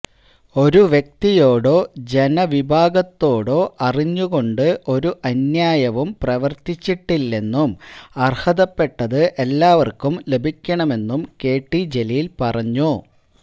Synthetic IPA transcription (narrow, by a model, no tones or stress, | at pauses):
o̞ɾuʋjek̚t̪ijo̞ːɽo̞ːd͡ʑe̞nɐʋibʱaːɡɐt̪ːo̞ːɽoːʔɐriɲːuɣo̞ɳɖɨʔo̞ɾuʔɐnjaːjɐʋumprɐʋɐrt̪it͡ɕːiʈːilːe̞nːumɐrhɐðɐpːe̞ʈːɐðɨʔe̞lːaːʋɐrkumle̞bʱikʲːɐɳɐme̞nːumke̞ːʈːid͡ʑe̞lijilpɐrɐɲːu